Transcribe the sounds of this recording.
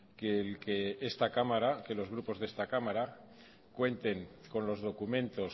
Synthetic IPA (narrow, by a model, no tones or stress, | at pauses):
kelkeest̪akamaɾake̞lo̞zɣ̞ɾupo̞zðe̞st̪akamaɾa | kwe̞nt̪e̞ŋko̞nlo̞zð̞o̞kumẽ̞nt̪o̞s